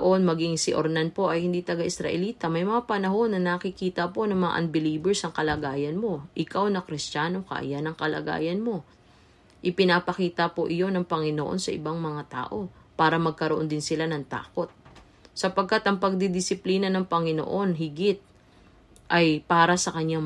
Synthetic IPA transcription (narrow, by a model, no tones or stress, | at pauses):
ʔo̞nmɐɡɪŋsɪʔoɾnanpo̞ʔɐjhɪnd̪it̪ɐɡaʔɪsɾɐ̰ʔɛliːt̪ɐmɐjmɐŋapɐnɐɦo̞nːɐnɐkɪkiːt̪ɐpo̞nɐŋmɐŋa̰ʔɐnbɪliːbɛɹsɐŋkɐlɐɡaːjɐnmo̞ʔɪkawnɐkɾɪst͡ʃaːno̞kɐ̰ʔjanɐŋkɐlɐ̰ɡa̰ːjɐnmo̞ | ʔɪpɪnapɐkiːt̪ɐpoʔɪjo̞nɐŋpɐŋɪno̰ʔo̞̰nsɐʔɪ̰baŋmɐŋat̪a̰ːʔo̞paːɾɐmɐɡ̚kɐɾoʔo̞nd̪ɪnsɪlanɐŋt̪a̰ːko̞t̪̚ | sɐpɐɡ̚kːat̪ʔɐŋpɐɡ̚d̪ɪd̪ɪsɪpliːnɐnɐŋpɐŋɪno̰ʔo̞nɦɪɡɪt̪̚ | ʔɐjpaːɾɐsɐkɐɲːa